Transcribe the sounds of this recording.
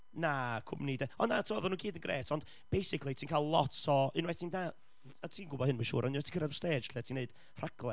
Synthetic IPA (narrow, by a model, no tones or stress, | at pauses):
nakʰʊ̰mnidɛɔnːatʰɪmɔðɔnuːɡiːdənɡrʔḛːtʰɔnd̥ | b̥ejsɪkʰlˠitʰiːnkʰalˠlˠɔtɔɨnwɛtʰiːna | atʰiːnɡʊbɔhɨnmanʃṵːɾʔɔniwɛtʰi̥kʰəɾadste̥ːd͡ʒʰliatʰiːneɨd̥ | r̥aɡlˠɛ